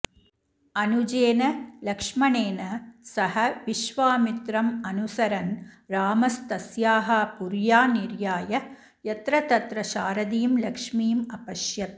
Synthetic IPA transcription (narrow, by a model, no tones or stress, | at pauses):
ɐnud͡ʒeːnɐlɐkʂmɐneːnɐsɐɦɐʋiʃʋaːmit̪ɾɐmɐnusɐɾɐnɾaːmɐst̪ɐsjaːɦɐpuɾjaːniɾjaːjɐ | jɐt̪ɾɐt̪ɐt̪ɾɐʃaːɾɐd̪iːmlɐkʂmiːmɐpɐʃjɐt̪̚